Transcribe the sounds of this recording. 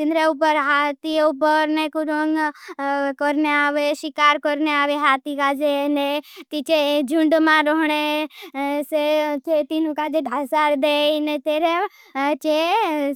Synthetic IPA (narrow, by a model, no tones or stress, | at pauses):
t̪ɪnɾeupəɾɦat̪iupəɾnekuɾoŋ | kɔɾneaːʋeʃɪkaːɾkɔɾneaːʋeɦaːt̪ikad͡ʒenet̪it͡ʃed͡ʒʊ̃ɳɖmãɾɔɦɽ̃e | set͡ʃet̪inũkad͡ʒeɖʱasaɾd̪einet̪eːɾe | t͡ʃe